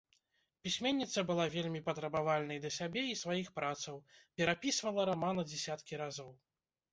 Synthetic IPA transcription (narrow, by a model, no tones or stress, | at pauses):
pʲisʲmʲenʲːit̪sɐbɨlˠavʲelʲmʲipɐt̪ɾɐbavalʲnɐjd̪lʲɐsʲabʲɛisvajixpɾat̪sɐwpʲɛɾapʲisvɐlˠɐɾamanɐd͡zʲɛsʲat̪kʲiɾazɔw